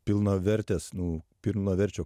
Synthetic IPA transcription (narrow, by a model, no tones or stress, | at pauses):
pʲɪlˠnɐʋʲɛɾʲt̪ʲesnʊpʲɪlˠnɐʋʲɛɾʲt͡ʃʲoː